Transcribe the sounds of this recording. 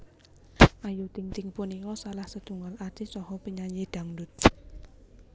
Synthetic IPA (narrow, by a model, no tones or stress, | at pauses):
ʔajut̪iŋt̪iŋpunikɔsalahsəd̪̥ṳŋɔlḁt͡ʃisɔhɔpiɲaɲed̪̥a̤ŋdʊt̪̚